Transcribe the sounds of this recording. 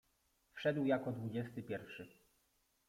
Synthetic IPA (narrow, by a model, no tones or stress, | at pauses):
fʂɛd̪wjakɔd̪vud͡ʑɛst̪ɘpʲjɛɾfʂɘ